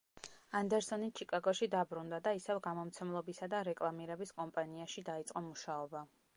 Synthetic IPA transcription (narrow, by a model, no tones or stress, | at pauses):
and̪ɛɾsɔnit͡ʃʰikʼaɡɔʃid̪abɾund̪ad̪aisɛvɡamɔmt̪sʰɛmlˠɔbisad̪aɾɛkʼlˠamiɾɛbiskʼɔmpʼaniaʃid̪ait̪sʼqʼɔmuʃaɔba